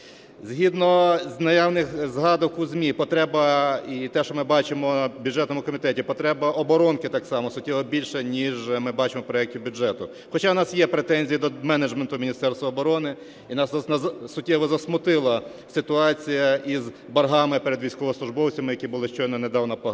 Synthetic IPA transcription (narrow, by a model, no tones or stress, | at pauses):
zʲɦʲid̪nɔznɐjɑwnɪxzɦɑd̪ɔkuzʲmʲipɔt̪ɾɛbɐit̪ɛʃɔmɪbɑt͡ʃɪmɔbʲjuʐɛt̪nɔmʊkɔmʲit̪ɛtʲipɔt̪ɾɛbɐʔɔbɔɾɔnkɪt̪ɑksɑmɔsʊtʲːɛʋɔbʲilʲʃɛnʲiʒmɪbɑt͡ʃɪmɔpɾɔjɛk̚tʲiɪwbʲʊd͡ʒɛt̪ʊ | xɔt͡ʃɑnɑsjɛpɾet̪ɛnʲzʲijid̪ɔmɛned͡ʒment̪ʊmʲinʲist̪ɛrst̪ʋɐːbɔɾɔnɪ | inɑsnɐsʊtʲːɛʋɔzɐsmʊt̪ɪlˠɐ | sɪt̪ʊɑt͡sʲijɐʔiz | bɐrɦɑmɪpeɾed̪ʋʲijsʲkɔʋɔsˠʊʒbɔwt͡sʲɐmɪjɐkʲibʊlˠɪʃt͡ʃɔjnɐned̪ɑwnɐpɔ